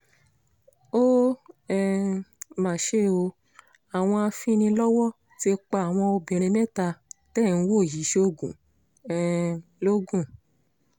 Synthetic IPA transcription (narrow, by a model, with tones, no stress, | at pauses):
o˦ɛ˧mã˨ʃe˦o˧ | a˨w̃ɔ̃˧a˧fĩ˦nĩ˧lɔ˦wɔ˦ | tie˧k͡pa˧˨a˨w̃ɔ̃˧o˧bĩ˨ɾ̃ẽ˧mɛ̃˦ta˧tɛ˦˨n̩˧˦wo˦˨ji˨˦ʃe˧o˧ɡũ˨ | ɛ˦˨lo˦ɡũ˦˨